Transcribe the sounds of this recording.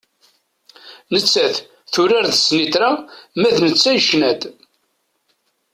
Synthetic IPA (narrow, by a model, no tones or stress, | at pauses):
nət͡sːæθ | θʊɾaɾðəsnit̪ɾamæðnət͡sːæjʃnæd̪